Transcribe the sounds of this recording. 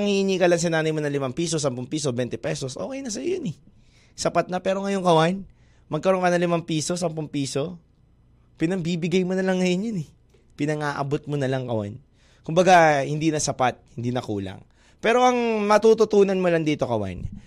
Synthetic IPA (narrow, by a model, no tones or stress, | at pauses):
ɐŋhiniːkɐlaŋs̬ɐnaːnɐjmonɐlɪmaŋpiːso̞s̬ɐmpʊŋpiːso̞bɛnt̪ɛpɛso̞sʔo̞ːkɛjnɐsɐjojonɛ | sɐpat̪̚nɐpɛːɾo̞ŋɐjo̞ŋkɐwan | mɐɡ̚kɐɾo̞ŋkɐnɐŋlɪmampiːso̞s̬ɐmpʊŋpiːso̞ | pɪnɐŋbiːbɪɡajmonɐlɐŋːɐjonjonɛ | pɪnɐŋaːʔɐ̰bo̞t̪̚monɐlaŋkɐwa̰n | kʊmbɐɡahɪnd̪inɐsɐpat̪̚hɪnd̪iːnɐkuːlɐ̰ŋ | pɛːɾo̞ʔɐŋmɐt̪ut̪ʊt̪uːnɐnmolɐŋd̪iːt̪o̞kɐwa̰n